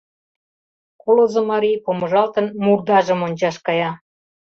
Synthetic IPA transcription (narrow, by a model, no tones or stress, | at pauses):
kolozəmɑɾijpomə̆ʒɑlt̪ənmurd̪ɑʒə̆monʲt͡ɕɑʃkɑjɑ